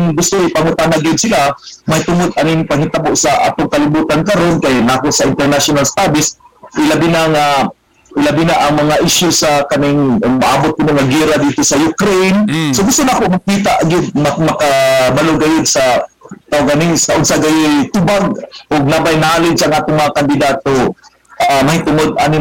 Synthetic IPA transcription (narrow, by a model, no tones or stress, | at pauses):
ŋɡʊst̪ʊɪpamʊt̪anaɡɪd̪̚sɪla | majt̪ʊmʊd̪̚anɪŋpaŋhɪt̪abʊʔsaʔa̰ːt̪ʊŋkalɪbuːt̪ankaɾonkajlaːkʊʔsaɪnt̪ɛɾnasʊnalst̪abɪsɪlabinaŋa | ɪlabinaʔaŋmɐŋaʔɪʃjʊsakanɪŋmaʔabʊt̪̚kɪnoŋaɡiɾad̪it̪osajʊkɾejnsoɡʊst̪ʊnakʊʔmak̚iːt̪aʔɡɪd̪̚mamakabalʊɡajʊd̪̚sat̪awɡanɪsaʔʊnsaɡajɪt̪ʊbaɡ̚ʊɡ̚nabajnaːlɪd̪saʔaŋʔaːt̪ʊŋmɐŋakand̪ɪd̪at̪o | ʔamahit̪ʊŋʊd̪̚a̰nɪ